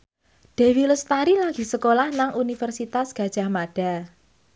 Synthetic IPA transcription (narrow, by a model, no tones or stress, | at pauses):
ɖ̥e̤wilʊst̪aɾilaɡ̥i̤səkolahnaŋʔunifərsit̪asɡ̥ä̤d̥ʒ̥a̤hmaɖ̥a